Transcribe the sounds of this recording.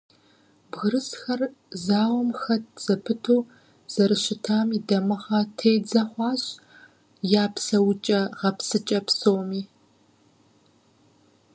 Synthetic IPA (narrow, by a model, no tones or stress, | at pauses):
bɣɨɾɨsxɐrzaːwɔmxɐtz̥ɐpʰɨtʰoː | z̥ɐɾɨɕɪtʰaːmiːdɐmɨʁɐtʰeːd͡zɐχʷɑːɕ | jaːpsɐwt͡ʃʼɐʁɐpsɨt͡ʃʼɐpsowmiː